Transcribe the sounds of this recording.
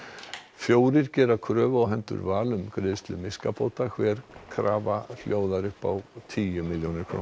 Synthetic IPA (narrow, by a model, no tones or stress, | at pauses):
fjoːwɾɪɾcɛːɾakʰɾœːvawɦɛnt̪ʏ̰ɾvaːlʏmkɾɪðst̪lɪmɪskapʰowt̪akʰvɛːɾ̥kʰɾaːval̥joːwðaɾʏhpa̰wt̪ʰiːjʏmɪljownɪ̥kʰɾo̰